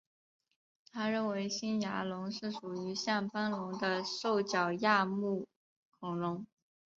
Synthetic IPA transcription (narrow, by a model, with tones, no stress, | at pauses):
t̪ʰa˥ɻə˥˩nwe˧˥ɪɕi˥nja˧˥lʊ˧˥ŋʂɻ̩˥˩ʂu˨˩y˧˥ɕja˥˩ŋpa˥nlʊ˧˥ŋd̪ə˧ʂo˥˩ʊt͡ɕjɑ˨˩ʊja˥˧mu˥˩ | kʰʊ˨˧˥ŋlʊ˧˥ŋ